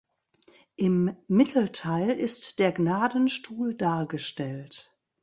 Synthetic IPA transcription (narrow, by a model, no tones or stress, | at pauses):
ʔɪmːɪtʰl̩tʰaɪlʔɪstd̥eːɐɡnaːdən̩ʃtʰuːldaːɐɡəʃtɛlt